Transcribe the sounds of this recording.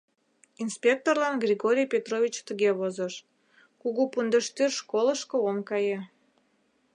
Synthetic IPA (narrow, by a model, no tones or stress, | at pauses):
inspʲek̚t̪orlɑnɡrʲiɣoɾʲijpʲet̪rovʲit͡ɕt̪əɣeβozəʃ | kuɣupund̪əʃt̪yrʃkoləʃkoomkɑje